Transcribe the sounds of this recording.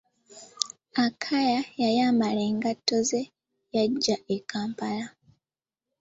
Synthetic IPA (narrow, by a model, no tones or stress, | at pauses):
akʰajajajamale̞ːŋɡatːo̞ze̞ | jaɟːaʔekaːmpala